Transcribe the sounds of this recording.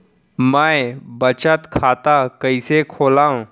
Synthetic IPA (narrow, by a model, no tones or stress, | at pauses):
majbət͡ɕat̪kʰat̪akəjsekʰolãw